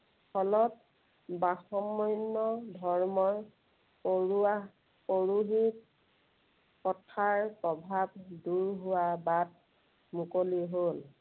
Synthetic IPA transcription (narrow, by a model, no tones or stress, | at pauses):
pʰɔlɔt̚ | baxɔmːɔjnːɔdʱɔɹmɔɹ | poɹua | poɹuɦit̚ | kɔtʰaɹpɹɔbʱabduɹɦʊwabat̚ | mukoliɦol